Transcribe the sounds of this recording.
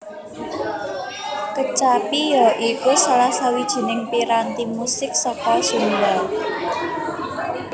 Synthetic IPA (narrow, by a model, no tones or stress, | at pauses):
kət͡ʃapijɔʔikusalahsawid̥ʒ̥i̤nɪŋpiɾant̪imusɪk̚sɔkɔsumbal